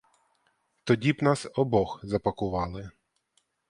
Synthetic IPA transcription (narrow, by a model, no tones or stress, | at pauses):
t̪ɔdʲibnɑsɔbɔxzɐpɐkʊʋɑlˠɪ